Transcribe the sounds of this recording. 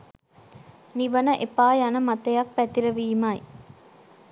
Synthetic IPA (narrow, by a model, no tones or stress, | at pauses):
niʋənəʔepaːjanəmat̪ɐjak̚pæt̪iɾəʋiːmaj